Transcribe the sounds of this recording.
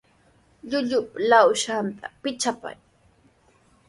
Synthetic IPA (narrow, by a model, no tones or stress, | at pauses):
ʎʊʎʊplawʃant̪apɪt͡ʃapa̰j